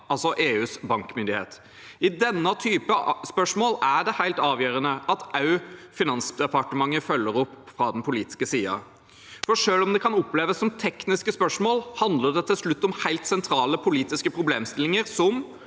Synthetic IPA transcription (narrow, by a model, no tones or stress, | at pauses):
ɑlsɔʔeːʉːsbɑŋkmʏnd̪ɪhḛːt̪ | ɪd̪ɛnːət̪ʰyːpəspœʂmoːlæɖɛhæɪlt̪ɑːʋjøːɾənəʔɑt̪ɑʉfɪnɑnsd̪ɛpɑʈəmɑŋːəfœlːəɾɔpːfɾɑd̪ɛnpʊliːt̪ɪ̥skəsiːɑ̰ | fɔʂøːlɔmd̪ɛkʰɑnʊpːleːʋəsːɔmt̪ʰɛknɪskəspœʂmoːlhɑnd̪ləɖɛt̪ʰɪlsɭʉt̪ːɔmhæɪlt̪sɛnt̪ʰɾɑːləpʰʊliːt̪ɪskəpʰɾʊbleːmst̪ɪlːɪŋəɾsɔm